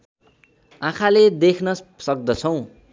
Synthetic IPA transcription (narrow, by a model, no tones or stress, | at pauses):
ãkʰaled̪ekʰnʌsʌk̚d̪ʌt͡sʰʌw̃